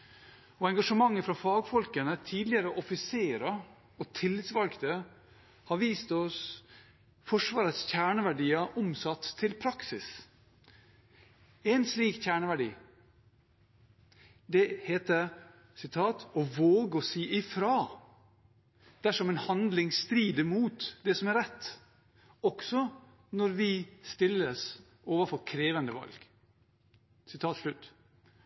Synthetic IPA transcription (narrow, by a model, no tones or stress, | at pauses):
ɔɛŋɡɑʂəmɑŋːəfɾɑfɑːɡfɔlkənət̪ʰiːd̪lɪəɾəʔɔfɪseːɾə | ɔt̪ʰɪlːɪt̪sʋɑlkt̪ə | hɑɾʋiːst̪ɔs | fɔʂʋɑːɾət̪sçæːɳəʋæɖiːəʔɔmsɑt̪ʰːɪlpʰɾɑksɪs | ɛnsliːkçæːɳəʋæɖḭː | d̪ɛheːt̪ə | sɪt̪ʰɑːt̪ʰɔʋoːɡəɔsiːʔɪfɾɑː | d̪̥æʂɔmɛnhɑnd̪lɪŋst̪ɾiːd̪əmuːt̪d̪ɛsɔmæɾɛt̪ː | ɔksɔ | nɔɾʋɪst̪ɪlːəs | ʔoːʋəɾfɔɾkʰɾeːʋənd̪əʋɑ̰lɡ̥ | sɪt̪ʰɑːt̪ʂɭʉt̪ː